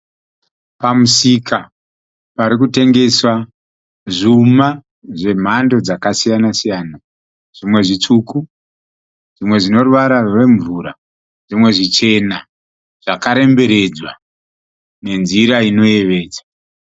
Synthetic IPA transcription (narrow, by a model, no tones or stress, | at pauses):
pamusika | paɾikute̞ŋɡe̞swa | ʐuma | ʐe̞m̤ando̞d͡zakasijanasijaːna | ʐ̥imwe̞ʐit͡ʂuːku | ʐ̥imwe̞ʐino̞ruʋaɾarwe̞ɱvuːɾa | ʐ̥imwe̞ʐit͡ʃe̞na | ʐ̥akaɾe̞mbe̞ɾe̞d͡zwa | ne̞nziɾaino̞je̞ʋe̞ːd͡za